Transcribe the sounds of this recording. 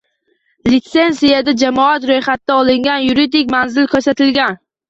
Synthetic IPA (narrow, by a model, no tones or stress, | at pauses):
lɪt̪se̞nsijad̪ad͡ʒamɒat̪ɾojχat̪̚ːaɒlɪŋɡʲanjʊɾid̪ɪkʲmanzɪlkʰɵɾsat̪ʰɪlɡʲan